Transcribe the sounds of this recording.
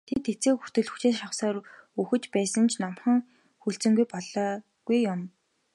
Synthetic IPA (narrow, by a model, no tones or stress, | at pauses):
t̪ʰet̪ʰːet͡seːxur̥t̪ɘ̆ɮxɵ̥xt͡ɕeːʃawsaːɾuxɘ̆t͡ɕpæːsə̆nt͡ɕʰnamχə̆ŋ | xuɬt͡sɘ̆ŋɡujpɔɮɔː | ɡ̥ujːʊm